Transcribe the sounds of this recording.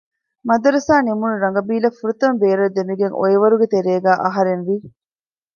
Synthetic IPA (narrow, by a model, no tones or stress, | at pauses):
mɐd̪ɐɾɐsaːnimunuɾɐŋɡɐbiːlɐfuɾut̪ɐmbeːɾɐd̪emiɡeŋo̰eʋɐɾuɡet̪eɾeːɡæːʔɐɦɐɾenʋi